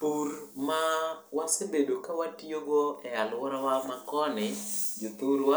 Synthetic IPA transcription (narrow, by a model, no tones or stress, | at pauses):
puɾrmawasebedokawatijoɡoɛalwɔɾawamakɔnɪd͡ʒot̪uɾwa